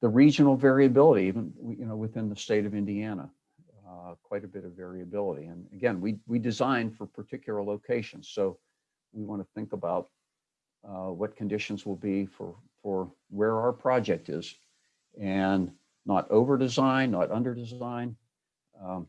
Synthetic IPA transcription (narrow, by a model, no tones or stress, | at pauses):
ðɨɹid͡ʒɨnl̩ˠvɛɹiɨbɪlˠəɾiivə̃njɨnoʊwɨθɪ̃nðəsteɪɾʌvɪ̃ndiænə̰ | kʰw̥aɪɾɨbɪɾʌvɛɹiɨbɪlˠəɾḭɨ̃nɨɡɛ̃nwiwidɨzãɪ̃nfə˞pʰə˞tʰɪkʰjl̩ˠə˞loʊkʰeɪʃɨ̃nz̥soʊ | wiwɑ̃nɨθɪ̃ŋkəbaʊt̚ | wʌt̚kʰɨ̃n̩dɪʃɨ̃n̩zwəlˠbifə̰˞fə˞ | wə˞aʊə˞pʰɹ̥ɑd͡ʒɛk̚tɪ̰z̥ | ɨ̃nː | əɾʔoʊvə˞dɨzãɪ̃nːəɾʔʌ̃ndə˞dɨzãɪ̃n